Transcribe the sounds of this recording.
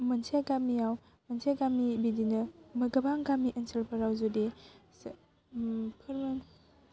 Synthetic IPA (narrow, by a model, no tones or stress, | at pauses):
mɐnsʰiaɡamijaw | mɐnsʰeaɡamibidinɐmɐɡɐbaŋɡamiʔɐnsʰɐɾpʰɐɾawzodes | pʰɯɾmɐ